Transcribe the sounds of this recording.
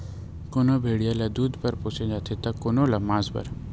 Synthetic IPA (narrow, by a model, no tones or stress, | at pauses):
konobʱeːɽijalad̪uːd̪pɐɾpot͡ʃẽd͡ʒaːt̪ʰet̪akoːnolamaːzbɐ̰ɾ